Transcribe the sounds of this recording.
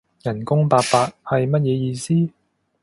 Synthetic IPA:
jɐ˨˩nkʊ˥ŋpaː˧k̚paː˧t̚hɐ˨jmɐ˥t̚jɛː˨˧jiː˧siː˥

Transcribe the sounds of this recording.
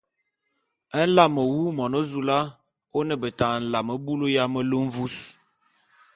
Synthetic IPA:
ə˦n̩˦la˦˨mə˨wu˦mɔ˨no˦zu˦la˦ | o˦nə˦˨bə˨ta˨n̩˨la˨mə˨bu˦lo˦ja˦mə˦lə˦ɱ̩˦vu˦s

